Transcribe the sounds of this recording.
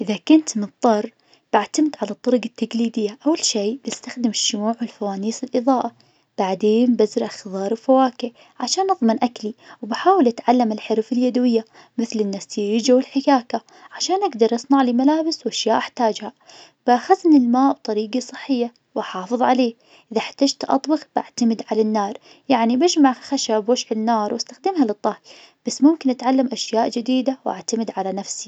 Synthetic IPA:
ʔɪðakʊnt̪mɨt̪ˤːɑrˤː | b̥aʕt̪amt̪ʕalat̪ˤːɑɾˤɑɡat̪ːaɡliːd̪ɪjːaʔawːalʃiːbɪst̪axd̪ɪmɪʃːʊmuːʕwɪlfawaːniːsɪlʔɨðˤɑːʔa | b̥aʕd̪eːnbazɾʔaxðˤɑːɾˤwfawaːkɪ | ʕaʃaːnʔɑðˤmɪnʔakliwbaħaːwɪlʔat̪ʕalːamɪlħɪɾfɪljad̪wɪjːa | mɪθlɪnːasiːɪd͡ʒawɪlħɪkaːka | ʕaʃaːnʔaɡd̪ɑɾˤʔɑsˤnɑʕlimalaːbɪswʔaʃjaːʔaħt̪aːd͡ʒhabaxasnɪlmaːʔb̚t̪ˤɑɾiːɡasˤɨħːɪjːa | waħɑːfɨðˤʕaleː | ʔʔɪðaħt̪ad͡ʒt̪ʔɑ̰t̪ˤbɪɣbʔa̰ʕt̪amɪd̪ʕalanːɑːɾˤ | jaʕnibɪd͡ʒmaʕxaʃabwaʃħɪnːɑːɾˤwʔast̪axd̪ɪmɦalɨt̪ˤːɑhj | b̥asːmʊmkɪnʔat̪ʕalːamʔaʃjaːʔd͡ʒɪd̪iːd̪awʔa̰ʕt̪amɪd̪ʕalanafsi

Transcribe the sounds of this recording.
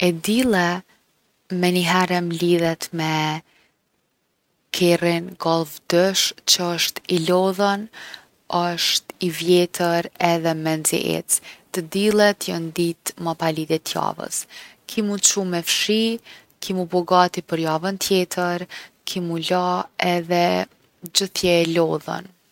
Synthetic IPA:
ɛd̪ilˠɛ | mɛniɦɛɾɛmliðɛt̪mɛ | kʰɛrinɡɔlˠvd̪ɛʃt͡ɕəəʃt̪ilɔðən | əʃt̪ivjɛt̪ʰəɾɛðɛmɛnzḭʔɛ̰t͡st̪ːəd̪ilˠɛt̪jənd̪it̪mapalid̪ɛt̪ʰja̰və̰skʰimut͡ʃumɛfʃi | kʰimubɔɡat̪ipəɾjavənt̪ʰjɛt̪ʰəɾ | kʰimulaɛðɛ | d͡ʑəθjɛlɔðə̰n

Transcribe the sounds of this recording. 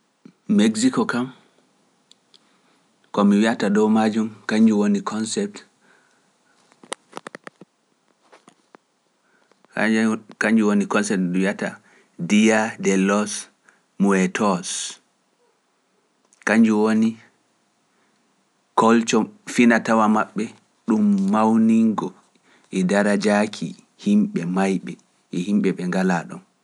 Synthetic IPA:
meɡsikokam | kɔmiwiatadowmad͡ʒumkaɲd͡ʒuwonikʰɔnsɛp̚t | kaɲd͡ʒuwonikɔnsɛp̚tdiwiata̰ | dijadɛlɔs | muɛtʰɔs | kaɲd͡ʒuwoni | kɔlt͡ʃɔfinatawamaɓːɛ | ɗumːawniŋɡɔ | ɛdaɾad͡ʒakʰḭ | himɓɛmajɓɛ | ʔɛhimɓɛɓɛŋɡalaɗɔn

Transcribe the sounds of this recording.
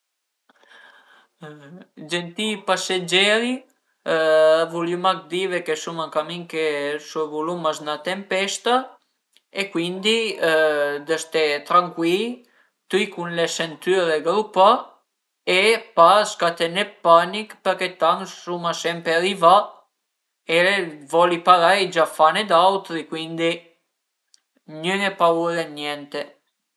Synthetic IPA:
d͡ʒɛnt̪ipasad͡ʒɛɾi | avulimak̚d̪ivɛkɛsumakamiŋkesuvulumasnat̪ɛmpɛst̪a | ekwind̪i | d̪əst̪ɛt̪ɾaŋkwi | t̪ikunlɛsɛnt̪yɾɛɡɾupa | ɛpaskat̪ɛnɛpanikpəɾkɛt̪aŋsumasɛmpɛɾiva | ɛɛvɔlipaɾajd͡ʒafanɛd̪awt̪ɾikwind̪i | ɲəŋɛpauɾɛɲɛnt̪ɛ

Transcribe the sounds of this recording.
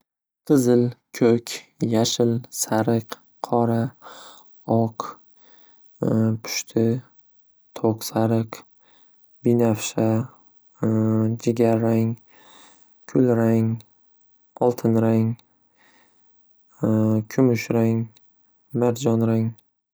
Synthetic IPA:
qʰɨzɪlkʲʰɵkʲjaʃɪlsaɾɨq | qʰɒɾa | ɒq | pʰʊ̥ʃt̪ʰɪ | t̪ʰoqsaɾɨq | bɪnafʃa | d͡ʒɪɡʲaɾːaŋ | kʲʰʊlɾaŋ | ɒlˠt̪ʰɪnɾaŋ | kʲʰʊmʊʃɾaŋ | maɾd͡ʒɒnɾaŋ

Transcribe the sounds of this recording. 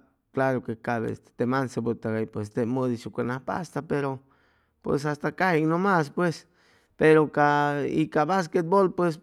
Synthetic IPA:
klaɾokekaβḛḛst̪e̥t̪emansebut̪aɣajpwest̪emoðiʃukʷenahpa̰st̪apeɾo | pwḛsast̪akahiŋnomaspwes | peɾokaḭkaβas̬ket̪̚bolpwes

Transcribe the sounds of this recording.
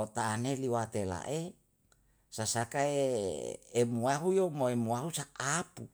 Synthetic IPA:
ot̪aːneliwat̪ela̰ʔe | sasakaeː | muaɦujomoemuaɦusaapu

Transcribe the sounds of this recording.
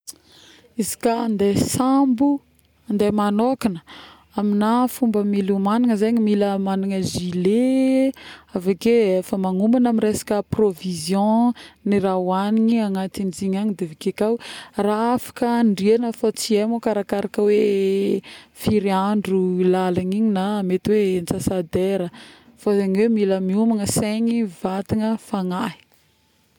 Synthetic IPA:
izi̥kand̪esambu | nd̪emanokinə̥ | aminafumbəmilumaniŋəzeɲimiləmaniŋəʒile | avakeefəmaŋumbanamiɾesḁkəprovizjɔ̃nirawaniɲiaŋat̪ind͡ziɲaɲid̪evikekawraafḁkəɳɖ͡ʐienəfat͡siemokaɾakaɾakəwe | fiɾiaɳɖ͡ʐulalaniɲinaːmet̪iwent͡sasad̪eɾə | fazaɲiwemiləmiumaŋəseɲivat̪iŋəfaŋaɦi̥

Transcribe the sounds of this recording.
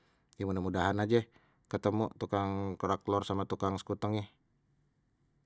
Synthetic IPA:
jamundamudaɦanad͡ʒɛ | kət̪əmṵt̪ukaŋkɔɾaklɔrsamat̪ukaŋsə̥kut̪əŋjah

